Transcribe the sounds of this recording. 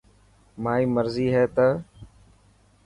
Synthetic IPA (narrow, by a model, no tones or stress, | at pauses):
maːiːməɾziːɦɛːt̪ə